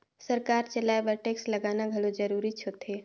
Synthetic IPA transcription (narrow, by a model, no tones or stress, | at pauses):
sɐɾkaːɾt͡ʃəlaːebəɾʈeːkslɐɡaːnaɡʱɐlod͡ʒɐɾuːɾit͡ʃʰot̪eː